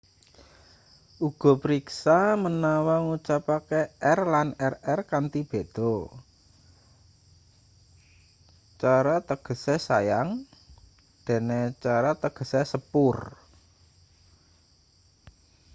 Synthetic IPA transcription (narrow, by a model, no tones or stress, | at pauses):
ʔuɡ̥ɔ̤pəɾiksamənawaŋut͡ʃapakeɛrlanɛrɛrkant̪ib̥e̤d̪̥ɔ | t͡ʃaɾat̪əɡ̥ə̤sesajaŋ | d̪̥e̤net͡ʃaɾat̪əɡ̥ə̤sesəpʊr